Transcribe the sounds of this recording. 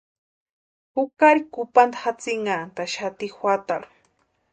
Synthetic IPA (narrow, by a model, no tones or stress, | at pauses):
hʊkaɾikʊpand̪ḁxat͡sɪŋɡant̪aʃat̪ixwʷat̪aɾu̥